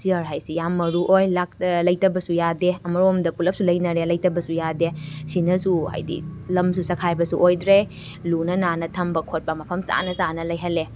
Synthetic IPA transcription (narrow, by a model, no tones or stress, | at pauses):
siɐɾɦajsijamːɐɾuʔojlak̚lɐjtɐbɐsujadeɐmɐɾomdɐpulɐp̚sulɐjnɐɾelɐjtɐbɐsujadesinɐsuha̰jdḭlɐmsusɐkʰajbɐsuʔojdɾe | lunɐnanɐtʰɐmbɐkʰot̚pɐmɐpʰɐmsa̰nɐsanɐlɐjɦɐle